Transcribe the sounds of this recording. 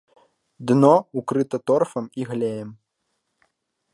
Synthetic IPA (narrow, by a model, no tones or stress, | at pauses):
d̪nɔukɾɨt̪ɐt̪ɔrfɐmiɣlʲɛjɛm